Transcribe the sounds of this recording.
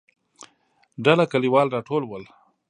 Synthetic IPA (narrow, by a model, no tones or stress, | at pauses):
ɖalakaliwɑːlɾɑʈoːlwəl